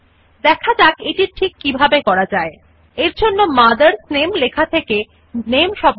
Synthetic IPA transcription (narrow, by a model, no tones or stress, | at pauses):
d̪ɛkʰad͡ʑakeʈiɾʈʰikːibʱabekɔɾad͡ʑae | eɾd͡ʑonːomad̪aɾsnemlekʰat̪ʰeke | nemʃɔb